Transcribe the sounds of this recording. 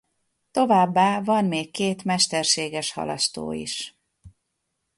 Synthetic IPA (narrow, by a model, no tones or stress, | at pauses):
t̪o̞vaːbːaːvɒnmeːkːeːt̪mɛʃt̪ɛrʃeːɡɛʃhɒ̰lɒ̰st̪o̰ːḭʃ